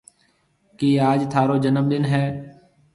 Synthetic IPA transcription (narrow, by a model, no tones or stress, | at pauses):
kiːaːd͡ʒt̪ʰaːɾoːd͡ʒənəmɗ̪ɪnɦɛː